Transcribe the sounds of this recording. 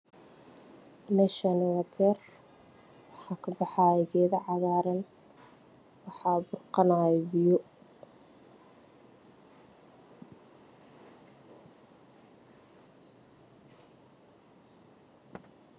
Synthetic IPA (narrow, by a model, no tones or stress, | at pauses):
mɛʃɐnwɐbɛːr | wɑħɑːkʰɐbɑħɑːɛɣɛːðɐʕɑɣaːɾɐn | wɑħɑːbʊrqɑnaːjɛbɪjɔ